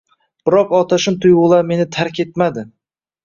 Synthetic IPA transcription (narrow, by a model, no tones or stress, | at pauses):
b̥ɪɾɒqɒt̪ʰaʃɪmt̪ʰʊjʁʊlˠaɾme̞nɪt̪ʰaɾkʲet̪mad̪ɪ